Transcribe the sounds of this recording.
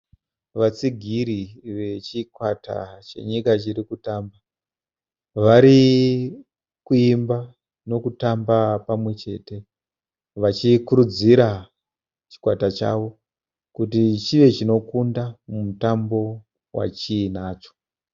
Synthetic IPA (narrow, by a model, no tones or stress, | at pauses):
ʋat͡siɡʱiɾiʋe̞t͡ʃikwatʰa̰t͡ʃe̞̰ɲikat͡ʃirikutamba | ʋaɾi | kuimba | no̞kutambapamwe̞t͡ʃe̞te̞ | ʋat͡ʃikuɾud͡ziɾa | t͡ʃi̥kwatat͡ʃa̰ʋo̞ | kutit͡ʃiʋe̞t͡ʃino̞kundamumutambo̞ | wa̰t͡ʃiːnaːt͡ʃo̞̥